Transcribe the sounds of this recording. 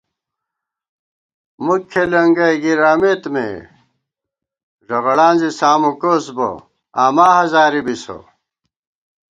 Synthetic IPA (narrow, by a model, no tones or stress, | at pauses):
mukʰːelɐŋɡɐjɡiɾaːmet̪mḛ | ʐɐɣɐɽaːnzisaːmukosbo̰ | aːmaːhɐzaːɾibiso̰